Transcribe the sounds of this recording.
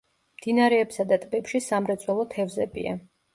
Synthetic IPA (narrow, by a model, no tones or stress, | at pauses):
md̪̥inaɾɛːpsad̪at̪ʼbɛpʃisamɾɛt̪sʼwɛlˠɔt̪ʰɛvzɛbḭa̰